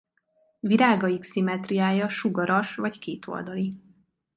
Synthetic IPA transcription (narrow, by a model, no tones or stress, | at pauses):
viɾaːɡɒjiksimɛt̪rijaːjɒʃuɡɒɾɒʃvɒckeːt̪ʰo̞̰ld̪ɒli